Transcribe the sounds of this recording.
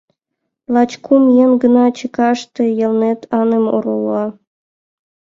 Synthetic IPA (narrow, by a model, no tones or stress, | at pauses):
lˠɑt͡ɕkʰumjenɡɤ̆nɑt͡ɕə̆kɑʂt̪ɤ̆jɤ̆lˠnet̪ʰɑnɤ̆mo̰ɾulˠːɑ